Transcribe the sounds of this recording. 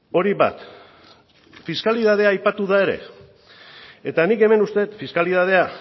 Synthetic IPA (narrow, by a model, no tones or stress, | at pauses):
o̞ɾiβa̰t̪ | fiskaliðað̞eaːjpat̪uðae̞ɾe̞̰ | e̞t̪anike̞me̞nust̪e̞t̪fiskaliðað̞e̞a